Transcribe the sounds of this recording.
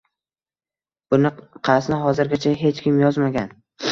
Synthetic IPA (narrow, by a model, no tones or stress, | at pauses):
b̥ʊnɪqʰɑsnɪɦɒzɪɾɡʲat͡ʃʰaɦe̞t͡ʃkʲʰɪmjɒzmaɡʲan